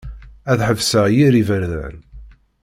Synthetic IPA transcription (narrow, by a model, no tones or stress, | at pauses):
æðħəvsəʁjiɾivəɾðæ̰n